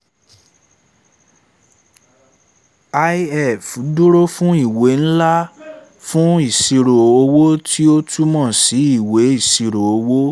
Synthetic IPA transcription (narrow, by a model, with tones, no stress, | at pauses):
a˧i˦ɛ˦˨fu˨˦du˦ɾo˦fũ˦i˦˨we˨˦n̩˦la˦ | fũ˦i˦˨si˧ɾo˨o˧wo˦tʰi˦o˦tʰu˦mɔ̃˦˨si˨˦i˦˨we˨˦i˦˨si˧ɾo˨o˧wo˦